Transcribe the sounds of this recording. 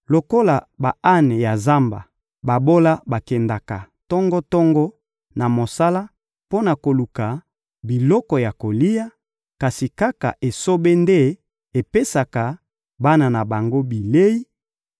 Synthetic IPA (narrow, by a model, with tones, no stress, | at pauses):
lo˨ko˦la˨ba˨a˦nɛ˨ja˨za˦mba̰˨ | ba˨bo˦la˦ba˨kɛ˨nda˨ka˨ | tɔ˦ŋɡɔ˦tɔ˦ŋɡɔ˦ | na˨mo˨sa˦la˦ | po˦na˨ko˨lu˨ka˨ | bi˨lɔ˦kɔ˨ja˨ko˨li˦ja˦ | ka˨si˨ka˦ka̰˨ʔe˨so˦be˦nde˦ | e˨pe˦sa˨ka˨ | ba˦na˨na˨ba˨ŋɡo˦bi˨le˦i˦